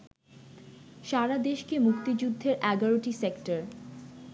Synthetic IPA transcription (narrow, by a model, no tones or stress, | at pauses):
ʃaɾad̪eʃkemukt̪id͡ʑud̪ʱːeɾʔɛɡaɾoʈisekʈaɾ